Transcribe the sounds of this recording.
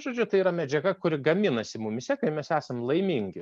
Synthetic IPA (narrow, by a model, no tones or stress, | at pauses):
ʒoːd͡ʒʲʊt̪ɐɪiːɾɐmʲɛd͡ʒʲɛɡɐkʊɾʲɪɡɐmʲɪnɐsʲɪmʊmʲɪsʲɛkɐɪmʲɛsæːsɐmlˠɐɪmʲiŋʲɡʲɪ